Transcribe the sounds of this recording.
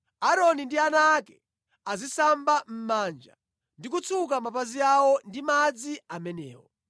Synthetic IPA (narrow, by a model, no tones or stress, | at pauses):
aɾɔnindianaːkɛ | azisambam̩mand͡ʒa̰ | ndik̬ut͡sʰuk̬amapaziawɔndimad͡ziamɛnɛ̰ːwɔ̰